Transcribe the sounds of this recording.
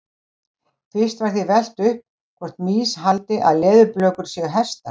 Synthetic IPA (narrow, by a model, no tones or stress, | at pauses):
θɪ̥st̪vaɾ̥θivɛl̥t̪ʏhp | kʰvɔr̥t̪miːshalt̪ɪʔa̰ðlɛːðʏɾplœːkʏɾ̥sɛːɣʏɦɛst̪a